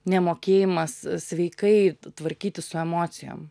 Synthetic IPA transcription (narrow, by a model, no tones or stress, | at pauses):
nʲɛmoːkʲeːjɪmɐssʲʋʲɛɪkɐɪt̪ʋɐɾʲkʲiːt̪ʲɪssʊɛmoːt̪sʲɪjo̰ːm